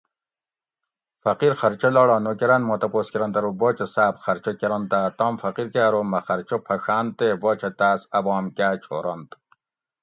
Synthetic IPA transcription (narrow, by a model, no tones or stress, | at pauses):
fɐqiɾxɐɾt͡ʃʰolɔːɽɑːnokeɾɐnmoːt̪ɐpoːskeɾɐnt̪ɐɾobɔːt͡ʃʰɐsaːpxɐɾt͡ʃʰokeɾont̪aːt̪ɑːmfɐqiɾkaːɾomɐxɐɾt͡ʃʰopʰɐʂaːnt̪ebɔːt͡ʃʰɐt̪aːsɐbɑːmkaːt͡ʃʰo̰ːɾont̪